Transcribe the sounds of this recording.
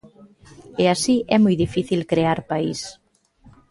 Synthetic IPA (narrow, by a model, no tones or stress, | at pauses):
easiʔɛmojðifiθilkɾeaɾpais